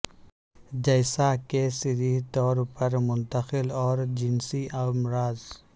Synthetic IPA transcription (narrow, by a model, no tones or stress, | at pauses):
d͡ʒɐɪsakesɪɾiɦt̪ɔːɾpɐɾmʊnt̪əxɪlɔːɾd͡ʒɪnsiʔɐmɾaːz